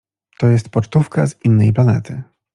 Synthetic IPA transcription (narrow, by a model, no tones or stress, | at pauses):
t̪ɔjɛst̪pɔt͡ʂt̪ufkazinːɛjplanɛt̪ʰɘ